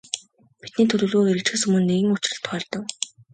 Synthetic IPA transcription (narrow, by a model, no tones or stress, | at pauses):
pi̥t̪niːt̪ʰɵɮʲɵ̆ːɮɣoːeɾɘ̆kt͡ɕxɘ̆sɵmɵ̆nːeɣɘ̆ŋʊt͡ɕ̆rə̆ɬt̪χœːɮt̪ɞ̆k